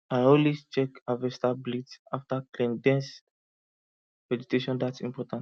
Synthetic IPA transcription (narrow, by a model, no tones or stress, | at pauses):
aɪɔ̃nlwist͡ʃɛkavɛstablitsaftaklɛ̃ndɛ̃ns | vɛd͡ʒutʰeʃɔ̃ndatsĩmpɔtãnt